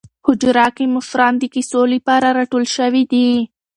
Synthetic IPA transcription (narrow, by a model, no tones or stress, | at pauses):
hʊd͡ʒɾɑkimʊfɾɑːnd̪ikisolipɑɾaɾɑʈolʃəwid̪i